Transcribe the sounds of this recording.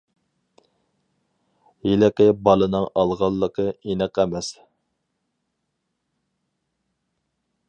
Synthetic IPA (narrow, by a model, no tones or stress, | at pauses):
jilɪkʲɪbɑlˠɨnɨŋɑlˠʁɑlˠːəqʰəinɪqɛmɛs